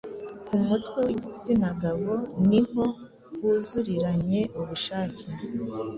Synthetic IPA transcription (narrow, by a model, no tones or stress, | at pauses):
kumutwewiɟit͡sinaɡaβo̞niho̞ | wuːzuɾiɾaɲe̞ʔuβuʃaːce